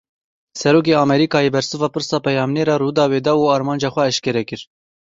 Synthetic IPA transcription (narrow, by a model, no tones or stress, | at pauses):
sɛɾoːk̬eːɑːmɛɾiːkɑːjeːbɛɾsɨvɑːpɨɾsɑːpɛjɑːmnɛɾɑːɾuːd̪ɑːweːd̪ɑːuːɑːɾmɑːnd͡ʒɑːxʷɛɛʃkɛɾɛkɨɾ